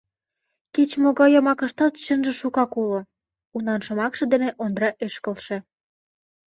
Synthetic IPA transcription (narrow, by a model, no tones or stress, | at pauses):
ket͡ɕmoɣɑjəmɑkə̆ʃt̪ɑt̪ɕənʒĕʃukɑkulo | unɑnʃə̆mɑkʃɤ̆d̪eneʔond̪ɾɑʔeʃkə̆lʃĕ